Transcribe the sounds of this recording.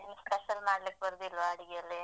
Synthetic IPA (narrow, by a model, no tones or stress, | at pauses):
inspeʃɐlmaːɽlik̚bɐɾd̪ilːʋaːɽiɡijɐlːi